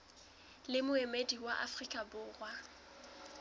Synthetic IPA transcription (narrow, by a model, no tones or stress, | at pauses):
lɪmʊemediwaʔa̰frikʼabʊːrwa